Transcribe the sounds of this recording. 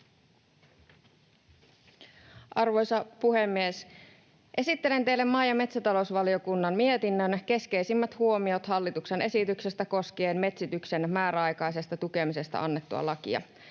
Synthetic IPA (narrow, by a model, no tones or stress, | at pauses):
ʔɑrʋo̞jsɑpuhemːies | ʔe̞sit̪ːe̞le̞nt̪e̞jlːe̞mːɑjɑme̞t̪sæt̪ɑlousʋɑlio̞kunːɑnmie̞t̪inːønke̞ske̞jsimːæt̪huo̞mio̞t̪hɑlːit̪ukse̞nʔe̞sit̪ykse̞st̪æko̞skeːnme̞t̪sit̪ykse̞nmæːɾæɑjkɑjse̞st̪ɑt̪uke̞mise̞st̪ɑ̰ɑnːe̞t̪ːuɑ̰lɑk̟ḭɑ̰